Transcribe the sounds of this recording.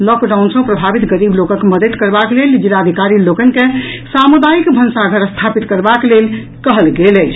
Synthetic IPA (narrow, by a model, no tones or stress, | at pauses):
lɔkɖawnsə̃pɾəbʱabit̪ɡəɾiblokə̃keməd̪ət̪kəɾbakleld͡ʒilad̪ʱikaɾilokənkesamud̪ajikbʱənsaɡʱəɾəst̪ʰapit̪kəɾbaklel | kəɦəlɡelət͡ʃʰ